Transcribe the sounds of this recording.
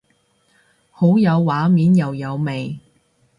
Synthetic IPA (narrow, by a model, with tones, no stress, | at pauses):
ho˨˥wjɐ˨˧wːaː˨˥miː˨˥njɐ˨wjɐ˨˧wme˨j